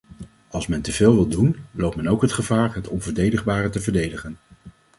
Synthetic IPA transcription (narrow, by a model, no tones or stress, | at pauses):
ɑlˠsmɛntəvɪːlˠʋɪlˠdunlowpmɛnowkɦətχəvaːɹɦətɔnvəɹdejdəχbaːrətəvəɹdejdəχən